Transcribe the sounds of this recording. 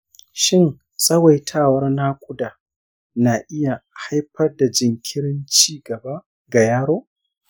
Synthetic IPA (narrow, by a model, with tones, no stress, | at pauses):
ʃɪ˦n | sʼɐ˦wa˨jtʰaː˦˨wɐ˦rna˦kʷʼʊ˦daː˨ | na˨ʔɪ˦ja˨ha˦jɸɐ˦rda˨d͡ʒɪ˨ŋkʲʰɪ˦ɽɪ˦nt͡ʃiː˦ɡɐ˨ba˦ | ɡa˨jaː˦ɽoː˦